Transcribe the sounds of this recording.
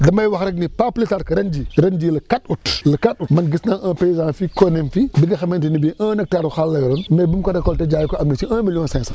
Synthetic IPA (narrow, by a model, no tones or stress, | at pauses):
damajwaxɾeknipaplitaɾkəɾend͡ʒiɾend͡ʒiləkatutləkatumanɡisnaʔãpezafikonemfibiɡaxamentinibiʔãnek̚taɾuxalːajoɾonmebumkatakoltad͡ʒajikoamnit͡ʃiʔãmilõnsẽsa